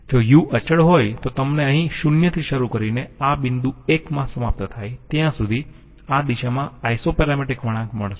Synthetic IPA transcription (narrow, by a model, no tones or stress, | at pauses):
d͡ʒojuʔət͡ʃəɽɦojt̪ot̪əmneəɦĩʃunjət̪ʰiʃəɾukəɾineabɪnd̪uekmãsəmap̚t̪ət̪ʰajt̪jãsud̪ʱi | ad̪iʃamãajsopɛɾameʈɪkʋəɽ̃ãkməɭ